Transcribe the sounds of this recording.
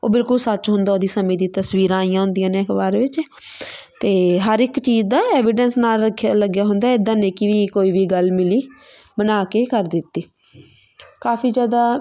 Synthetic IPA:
oːbɪlkʊlsət͡ʃɦʊ̃nd̪aːoːd̪iːsəmẽːd̪iːt̪əsʋiːɾãːijãːɦʊ̃nd̪ijãːneːəkʰbaːɾʋɪt͡ʃ | t̪eːɦəɾɪkt͡ʃiːd͡ʒd̪aːɛːʋɪɖənsnaːləkʰːləɡjaːɦʊ̃nd̪aːɪd̪ãːnẽːkɪʋiːkoːiːʋiːɡəlmɪliː | bənaːkeːkəɾd̪ɪt̪ːiː | kaːpʰiːd͡ʒjaːd̪aː

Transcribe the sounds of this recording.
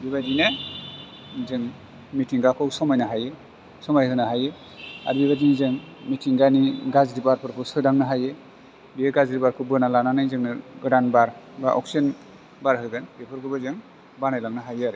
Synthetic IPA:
biβadine | zɯŋ | mitʰiŋɡakʰɯwsɔmajnaɦaje | sɔmajʰɯnaɦaje | a̰ɾbiβadinizɯŋmitʰiŋɡaniɡazɾibaɾpʰɯɾpʰɯsɯdaŋnɯɦaje | bijeɡazɾibaɾkʰɯbɯnalananajzɯŋnɯɡɯɾanbaɾ | baʔɔ̰ksin | baɾɦɯɡɯnbepʰɯɾkʰɯbɯzɯŋ | banajlaŋnaɦajɯaɾɯ

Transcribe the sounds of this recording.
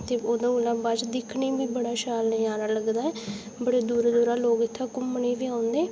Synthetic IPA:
t̪eːoːd̪ãulãːbad͡ʒd̪ɪkʰneːbiːbəɽaːʃaːlɛjaːɾaːləɡd̪aːɛː | bəɽeːd̪uːɾd̪uːɾaːloːɡɪt̪ʰːãːkʊmːəɳeːʋiːãːʊnd̪eː

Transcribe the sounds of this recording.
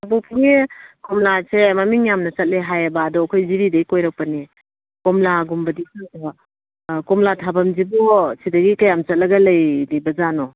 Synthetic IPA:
bupʰiŋekomlasemɐmiŋjamnɐt͡ʃɐt̚leɦajɐbaːdɔkʰojziɾidɐjkojɾak̚pɐni | kɔmlaɡumbɐdisadɐ | komlatʰabɐmzibɔsidɐɡikɐjamt͡ʃɐt̚lɐɡɐlɐjnibɐzanɔ

